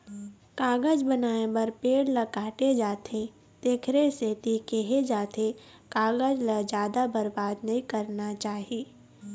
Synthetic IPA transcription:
kaːɡəd͡ʒbənaːebɐɾpeːɽlɐkaːʈed͡ʒaːt̪ʰe | t̪eːkʰɾeset̪iːkeɦed͡ʒaːt̪ʰe | kaːɡəd͡ʒləd͡ʒjaːd̪abɐɾbaːd̪nɐɦĩkɐɾnat͡ʃaːɦieː

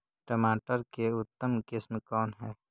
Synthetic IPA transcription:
ʈəmaːʈəɾkeʊt̪ːəmkɪsmkɔːnɦɛː

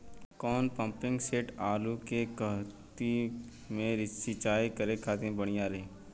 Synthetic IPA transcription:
kɔːnpɐ̃mpɪ̃ŋɡseːʈaːlukekɐɦt̪i | mẽɾɪsɪt͡ʃaːikɐɾekʰaːt̪ẽbɐɽ̃ijaɾɐɦeː

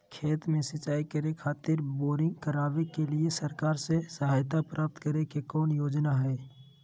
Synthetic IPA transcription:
kʰeːt̪mẽsət͡ʃaːikəɾekʰaːt̪ɪɾboːɾɪ̃ŋɡkəɾaːʋekelɪesəɾkaːɾsesəɦaːjt̪apɾʔaːp̚t̪kəɾekekɔːnjoːd͡ʒnaɦɛː

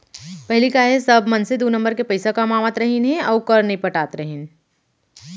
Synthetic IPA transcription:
pɛɦlikaɦesɐbʱmɐnsed̪oːnɐ̃mbəɾkepɐɪsakamaːʋat̪ɾɐɦinɦɛ̃ɔːkɐɾnɐɦĩpɐʈaːt̪ɾɐɦin

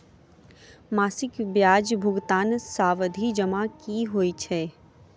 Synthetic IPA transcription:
maːsɪkbjaːd͡ʒbʱʊɡt̪aːnsaːʋəd̪ʱid͡ʒɐmakiɦoːit͡ʃʰɛː

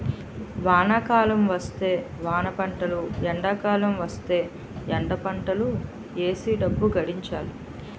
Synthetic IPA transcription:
ʋaːnakaːlɐmʋɐst̪e̞ː | ʋaːnɐpɐɳʈɐluɛɳɖɐːkaːlɐmʋɐst̪e̞ː | ɛɳɖɐpɐɳʈɐlu | eːsiɖɐbːuɡɐɽiɲt͡ʃaːlu

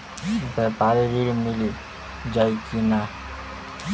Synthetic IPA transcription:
bɛpaɾeɾiɾmili | d͡ʒajkina

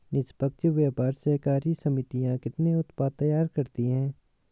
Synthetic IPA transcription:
nɪspək̚t͡ʃʋeːpaːɾsɐɦkaːɾisɐmɪt̪ijãkɪt̪neʊt̪paːt̪ːɐjaːɾkɐɾt̪iɦɛ̃ː

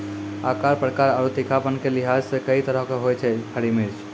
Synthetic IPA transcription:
akaɾpɾəkaɾaɾut̪ikʰapənkeliɦad͡ʒsekəit̪əɾəɦkeɦojt͡ʃʰɛkʰəɽimeɾt͡ʃʰ

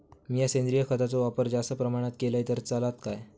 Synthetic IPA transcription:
miːjasend̪ɾijəkʰət̪at͡soʋapəɾd͡zast̪əpɾəmaɽ̃at̪keləjt̪əɾt͡salat̪kaj

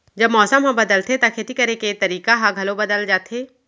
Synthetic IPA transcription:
d͡ʒɐbmɔːsəmɦɐ̃bɐd̪əlt̪ʰet̪akʰeːt̪ikɐɾeket̪ɐɾiːkaɦãɡʱɐlobɐd̪əld͡ʒaːt̪ʰeː

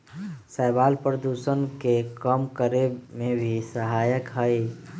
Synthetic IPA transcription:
səɪbalpɾəd̪usənkekəmkəɾemẽbʱisəɦaːjəkɦəj

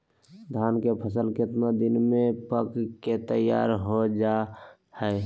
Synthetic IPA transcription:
d̪ʱaːnkepʰəsəlkɪt̪məd̪inmepəkket̪əja̰ɾɦod͡ʒa | həɪ

